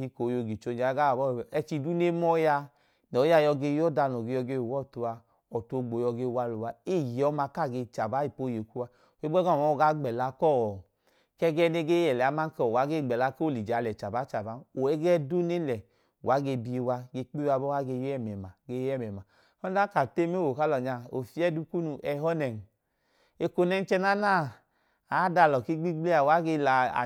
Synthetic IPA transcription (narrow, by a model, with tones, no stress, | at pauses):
i˧ko˨jo˧ɡi˨t͡ʃo˧d͡ʒa˨˦ɡa˦wa˨bɔ˦˨ɛ˧t͡ʃi˧du˦ne˦mɔ˦ja˧ | nɔ˨˦ja˧jɔ˧ɡe˧˦jɔ˦da˧nɔ˨ɡe˧jɔ˧ɡe˧˨wɔ˦˨tu˧a˧ | ɔ˨to˧ɡ͡bo˨jɔ˧ɡe˧wa˧lu˨wa˧e˦˨ji˨ɔ˨˦ma˧ka˦˨ɡe˧t͡ʃa˨ba˨˦i˨po˨˧˨je˨ku˦wa˧˨ | e˦ɔ˦ɡa˦˨ɔ˨˦˨ɡa˦ɡ͡bɛ˨la˧˦kɔ˦˨ | kɛ˦ɡɛ˦ne˧ɡe˦jɛ˨lɛ˨a˨˦ma˦n˦kɔ˨wa˨˦ɡe˦˨ɡ͡bɛ˨la˧ko˦˨li˨d͡ʒa˨˦lɛ˨t͡ʃa˨ba˨˦t͡ʃa˨ba˨˦no˨ɛ˦ɡɛ˦du˦ne˦lɛ˨ | wa˨˦ɡe˧bi˧wa˧ɡe˧k͡pi˦wa˧bɔ˦wa˦ɡe˧jɛ˦˨mɛ˨ma˨ɡe˧jɛ˦˨mɛ˨ma˨ | ɔ˦da˦ka˨te˦me˦wo˨ka˦lɔ˨ɲa˧o˨fi˦ɛ˦du˧ku˦nu˧ʔɛ˨ɦɔ˦nɛ˨n˨ | e˧ko˧nɛ˧˦n˦t͡ʃɛ˧na˦na˦˨ | a˨˦da˧˨lɔ˨ki˦ɡ͡bi˦ɡ͡ble˦a˨wa˨˦ɡe˧la˨a̰˨